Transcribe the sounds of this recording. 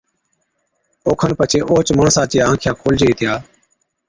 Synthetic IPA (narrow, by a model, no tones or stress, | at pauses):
oːkʰənpət͡ʃʰeːʔoːt͡ʃməɳsaːt͡ʃjaːãːkʰjaːkʰoːld͡ʒeiːt̪ʰɪjaː